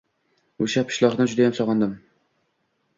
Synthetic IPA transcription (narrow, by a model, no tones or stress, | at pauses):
ʊʃapʰɪ̥ʃlˠɒχd̪ad͡ʒʊd̪ajamsɒʁɑnd̪ɪm